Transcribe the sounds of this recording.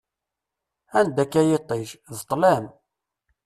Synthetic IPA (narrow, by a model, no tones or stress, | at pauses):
ænd̪ækːæjɪt̪ˤːeʒðət̪ˤːlæm